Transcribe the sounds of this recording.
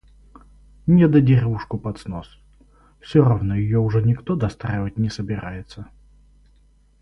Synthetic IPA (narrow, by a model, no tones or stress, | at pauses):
nʲɛd̪ɐdʲirʲɛuʂkʊpɐt̪snɔs | wsʲɔɾɔwnɔjijɔuʐɛnʲikt̪ɔd̪ɐst̪ɾɛvɐtʲnʲɛsɐbʲɪɾajɛt̪sːɐ